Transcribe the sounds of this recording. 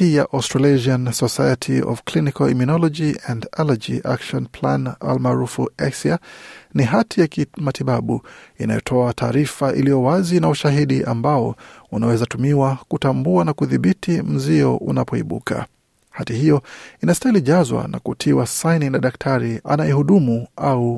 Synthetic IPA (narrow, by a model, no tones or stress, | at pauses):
ijaʔastɾaleʒiansɔsajatʰiɔ̰vklinikɔlḭminɔlɔd͡ʒiɛndɛlad͡ʒiʔa̰kʃɔnpʰlana̰lmaːɾufuɛsianiɦatʰijakmatiɓaɓuḭna̰jɔ̰tʰɔatʰaːɾifaʔḭlijɔwazinauʃaɦiɗiʔambaɔunawɛzatumiwakutambuanakuðiɓitʰim̩ziɔ̰ʔṵnapɔḭɓṵkʰa̰ | hatihijɔinastailiʄazwa̰na̰kutʰiwasaininaɗak̚tʰaɾia̰najɛhuɗumuau